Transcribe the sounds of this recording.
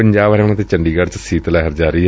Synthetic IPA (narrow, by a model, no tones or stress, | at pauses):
əɲd͡ʒaːbɾɛːɽ̃ãːt̪eːt͡ʃəɳɖiːɡaɖt͡ʃsiːt̪lɛɦəɾd͡ʒaːɾəiː